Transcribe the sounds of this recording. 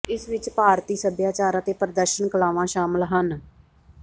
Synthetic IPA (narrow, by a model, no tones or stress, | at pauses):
ɪsʋɪt͡ʃpaːɾt̪iːsəbjaːt͡ʃaːɾãːt̪eːpəɾəd̪əɾʃənkəlaːʋãːʃaːməlɦən